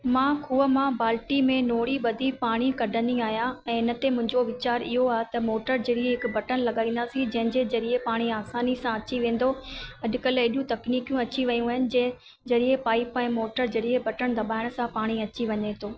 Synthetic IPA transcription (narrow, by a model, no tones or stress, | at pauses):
mãːkuːəmãbaːlʈimẽnoːɽiɓɐd̪ʱipaːɽ̃ikɐɖʱə̃nd̪iaːɦijãɛ̃ːɪnə̆t̪emʊ̃ɦɪ̃ɲd͡ʑoʋɪt͡ɕaːɾɪɦoaːɦet̪ɐmoːʈəɾd͡ʑɐɽieɦɪkbɐʈənlɐɠaːĩːn̆d̪aːsĩd͡ʑɐ̃ɦɪ̃ɲd͡ʑezɐɾiepaːɽ̃iaːsaːnisãɐt͡ɕiʋẽːn̆d̪oɐʄʊ̆kɐleɗjũt̪ɐkniːkjũɐt͡ɕiʋɐjũːɦɪnɪ̆d͡ʑɛ̃ɪ̃ | zɐɾiepaːipɛ̃ːmoːʈəɾd͡ʑɐɽiebɐʈəɽ̃d̪ɐɓaːɪɽ̃sãpaːɽ̃iɐt͡ɕiʋɐɲet̪ʰoː